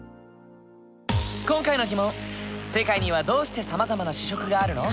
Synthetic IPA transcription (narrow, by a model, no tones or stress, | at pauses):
kõ̞ŋkaino̞ɡʲimõ̞se̞kaiɲ̟iβad̪o̞ːɕi̥t̪e̞samazamanaɕi̥ɕ̬o̞kɯ̟ɡaːɾɯ̟no̞